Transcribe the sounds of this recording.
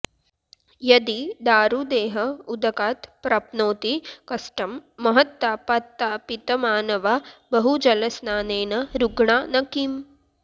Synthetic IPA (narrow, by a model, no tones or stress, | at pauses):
jɐd̪id̪aːɾud̪eːɦɐud̪ɐkaːt̪pɾɐpnoːt̪ikɐsʈɐmːɐɦɐt̪ːaːpɐt̪ːaːpit̪ɐmaːnɐʋabɐɦud͡ʒɐlɐsnaːneːnɐɾuɡɳaːnɐkiːm